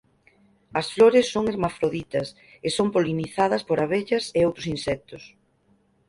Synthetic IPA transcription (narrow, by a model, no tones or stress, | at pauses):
ɐsfloɾɪsːoŋeɾmafɾoðit̪ɐs | esompoliniθað̞ɐspoɾaβeʎɐseowt̪ɾʊsinsɛk̚t̪ʊs